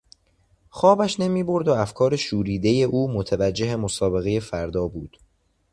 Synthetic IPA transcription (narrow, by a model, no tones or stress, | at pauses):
xɒːbæʃne̞miːbo̞ɾd̪oæfkʰɒːɾeʃuːɾiːd̪e̞je̞ʔuːmot̪ʰævæd͡ʒːe̞ɦe̞mosɒːbe̞ɣe̞je̞fæɾd̪ɒːbuːd̪̥